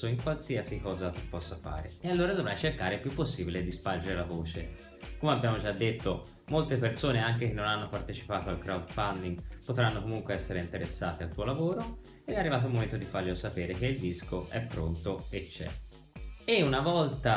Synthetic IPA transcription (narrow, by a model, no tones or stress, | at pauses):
oiŋkwalsiasikɔːzat̪upːɔsːafa̰ːɾḛealːoːɾad̪ovɾajt͡ʃerkaːɾepjupːosːiːbiled̪ispard͡ʒeɾelavoːt͡ʃe | komeabːjaːmod͡ʒad̪ːet̪ːo | molt̪epersoːneaŋkek̟enːonanːopart̪et͡ʃi̥paːt̪oalkɾawd̪fand̪iŋɡpot̪ɾanːokomuŋkweɛsːeɾeint̪eɾesːaːt̪ealt̪uːolavoːɾo | ed̪ɛarːivaːt̪olmːoment̪od̪ifaɾleosapeːɾek̟eild̪iskoʔɛpːɾont̪oet͡ʃːɛ̰ | eunavɔlt̪a